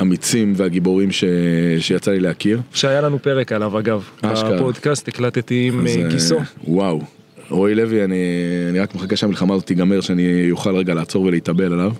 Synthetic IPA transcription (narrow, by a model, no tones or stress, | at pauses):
amit͡simveaɡiboʁimʃeʃejat͡salileakiʁʃeajalanupeʁekalavaɡavaʃkapod̪kast̪eklat̪et̪imzekisuwaw | ojlevianianiʁakmeχakaʃamilχamaːzot̪iɡameʁʃeanijoχalʁeɡalaːt͡so̞ʁveliit̪abe̞lalav